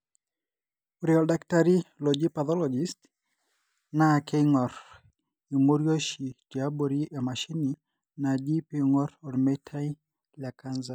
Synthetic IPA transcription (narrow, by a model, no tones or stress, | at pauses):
uɾiɔldaktaɾilod͡ʒipat̪ɔlɔd͡ʒist | nakeiŋɔɾ | imoɾjoʃid͡ʒaboɾiʔemaʃini | nad͡ʒipiŋɔɾɔɾmɛtʰai | lakanza